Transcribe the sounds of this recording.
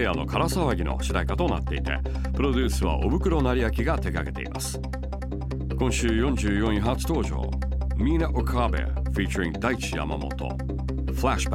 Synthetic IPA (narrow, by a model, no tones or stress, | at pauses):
eano̞kʰaɾasaβaɡʲino̞̰ɕid̪aikat̪o̞na̰t̪ːe̞it̪e̞̰ | pɯ̟ɾo̞d̪ʲɨːsɨβa̰ʔo̞bɯ̟kɯ̟ɾo̞naɾʲijakʲiɡat̪e̞kaɡe̞t̪e̞̰ḭmʔa̰sɨ̥ | kõ̞ɰ̃ɕɨːjõ̞ɲ̟d͡ʑɨːjõ̞ɰ̃ĩɦat͡sɨ̥t̪o̞ːʑo̰ː | mʲiːnaʔokʰaːbḛfʲiːt͡ɕoɾʲĩŋd̪ait͡ɕija̰ma̰mo̞̰t̪o̞̰ | flaɕb